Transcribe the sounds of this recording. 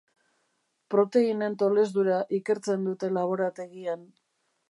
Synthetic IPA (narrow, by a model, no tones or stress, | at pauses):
pɾo̞t̪e̞ine̞nt̪o̞le̞zd̪uɾaʔike̞ɾt͡se̞nd̪ut̪e̞laβ̞o̞ɾat̪e̞ɣian